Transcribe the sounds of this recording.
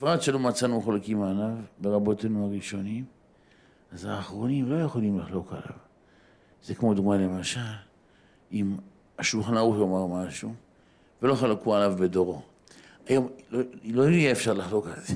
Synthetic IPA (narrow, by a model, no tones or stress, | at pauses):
fʁatʃelomat͡sanuχolkimalavbe̞ʁabo̞tenuaʁiʃo̞nim | azaːχʁo̞nimlo̞jeχo̞limliχlo̞ka̰la̰v | zekmo̞d̪uɡmanlemaʃal | im | aʃulχnaujomaʁmaʃu | velo̞χalakualavbe̞do̞ʁo̞ | ajomloloijeːfʃaʁlaχlo̞kalze